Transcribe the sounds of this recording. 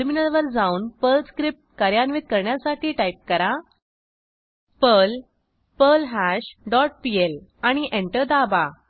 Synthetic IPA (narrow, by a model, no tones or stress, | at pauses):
minəlʋəɾd͡zauːnpəlskɾip̚ʈ̚kəɾjanʋit̪̚kəɾɳjasaʈʰiːʈaip̚kəɾa | pəl | pəlɦæɕɖɔʈ̚pielaɽ̃iʔeɳʈəɾd̪aba